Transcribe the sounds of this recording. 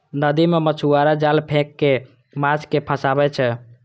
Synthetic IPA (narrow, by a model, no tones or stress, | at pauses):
nəd̪imemət͡ʃʰuaɾad͡ʒalpʰẽkːe | mat͡ʃkepʰə̃sabɛt͡ʃʰɛ